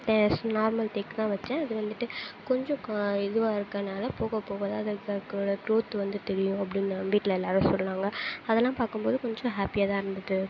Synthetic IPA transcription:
t̪ɛ̃snaːɾmɐlʈ̪ekt̪ãːʋɐt͡ʃːɛ̃ːɐðɯʋɐnd̪ɯʈːɯkɔɲd͡ʒɔ̃ɪðɯʋaːɪɾɯkːɐɾɐnaːlɐpoːɣɐpoːɣɐðaɐðɐkːɐɾkːɾoːɽɐkɾoːt̪ːɯʋɐnd̪ɯt̪ɛɾɪjʊ̃ɐp̬ːɽɪnːɐʋiːʈːlɐɛlːaːɾɯ̃sɔlːɐnãːŋɡɐɐðɛlːãːpaːɾkɯmpoːðɯkɔɲd͡ʒɔ̃ɦaːpɪjaːt̪ãːɪɾɯnd̪ɐðɯ

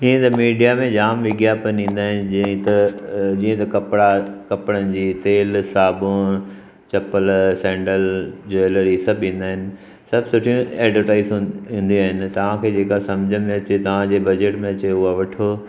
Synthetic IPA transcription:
ĩːẽt̪ɐmiːɖijamẽd͡ʑaːmʋɪɡjaːpənĩːn̆d̪aːɦɪnɪd͡ʑ̃t̪ɐd͡ʑĩːə̃t̪ɐkɐpɽakɐpɪɽənɪ̆d͡ʑiːt̪eːlsaːbõ | t͡ɕɐpəlsɛ̃ːɳɖəld͡ʑoeləɾisɐbʱĩːn̆d̪aːɦɪnɪ̆ | sɐbsʊʈʰijũeːɖʋəɾʈaːɪz̃ũːnd̪ĩaːɦɪnɪ̆t̪ɐʋ̤ãkʰeːd͡ʑeːkasɐ̃md͡ʑʱəmẽɐt͡ɕet̪ɐʋ̤ãd͡ʑeːbɐd͡ʑeʈmẽɐt͡ɕeʊɦaʋɐʈʰo

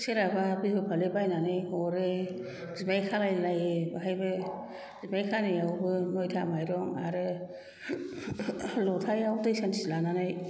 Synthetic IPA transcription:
seɾababihɯpʰalebajnanɯjɔɾe | zibajkʰalajlajebaɦajbɯ | zibajkʰanɯjawbɯnɔjtʰamajɾɔŋa̰ɾɯ | lɔtʰajawtɯjsansilananaj

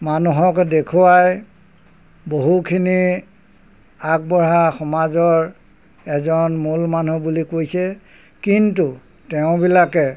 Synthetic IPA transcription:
manuɦɔkdekʰuwaj | boɦukʰini | ak̚bɔɹaxɔmazɔɹ | ɛzɔnmulmanubulikojsɛ | kintu | tɛʊ̃bilakɛ

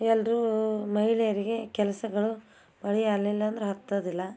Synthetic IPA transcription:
ɛlɾumɐɦiɭɛjɐɾiɡe̞kɛlɐsɐɡɐɭu | bɐɭijalːilːɐːnd̪ɐɾeɦɐt̪ːɐd̪ilːɐ

